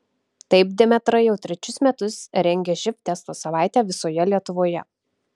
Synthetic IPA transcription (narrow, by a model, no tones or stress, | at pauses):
t̪ɐɪp̚d̪ʲɪmʲɛt̪ɾɐɪjɛʊt̪ʲɾʲɛt͡ʃʲʊsmʲɛt̪ʊsɾʲɛŋʲɡʲɛʒʲɪft̪ʲɛst̪oːsɐʋɑˑɪt̪ʲæːʋʲɪsoːjɛlʲiɛt̪ʊʋoːjɛ̰